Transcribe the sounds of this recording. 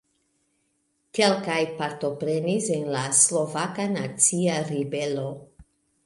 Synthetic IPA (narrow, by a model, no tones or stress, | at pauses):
ke̞lkajpaɾt̪o̞pɾe̞nisenlaslo̞vakanat͡siaɾibelo̞